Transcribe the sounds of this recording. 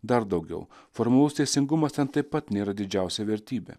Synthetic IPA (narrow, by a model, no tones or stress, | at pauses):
d̪ɐɾd̪ɐʊɡʲɛ̰ʊfɔɾmɐlˠʊst̪ʲɛɪsʲɪŋɡʊmɐst̪ʲɛnt̪ɐɪpːɐt̪nʲeːɾɐd̪ʲɪd͡ʒʲæˑʊsʲɛʋʲɛɾʲt̪ʲiːbʲḛː